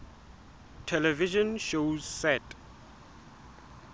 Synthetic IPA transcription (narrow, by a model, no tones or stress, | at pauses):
tʰɛlɛviʒɔ̃nʃozsɛt